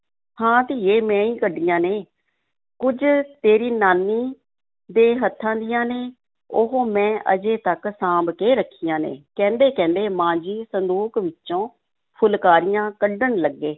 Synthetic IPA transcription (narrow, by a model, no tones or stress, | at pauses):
hãːt̪eːeːmɛ̃ːiːkəɖːijãːneː | kʊd͡ʒt̪eːɾiːnaːnːiː | d̪eːɦət̪ʰːãːd̪ɪjãːneː | ʊɦoːmɛ̃ːʔə̰d͡ʒeːt̪əksãːbkeːɾəkʰːijãːnḛːkɛ̃ːnd̪eːkɛ̃ːnd̪eːmãːd͡ʒiːsənd̪uːkʋɪt͡ʃːʃõː | pʰʊlkaːɾɪjãːkəɖəɳləɡːeː